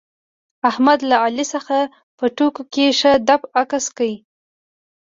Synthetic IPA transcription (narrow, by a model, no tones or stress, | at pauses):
ahmad̪laalisəxa | pəʈokokeʂəd̪apakaskawi